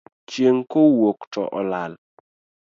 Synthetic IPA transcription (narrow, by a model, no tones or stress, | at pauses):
t͡ʃjeŋkowoktɔ̰ʔɔlal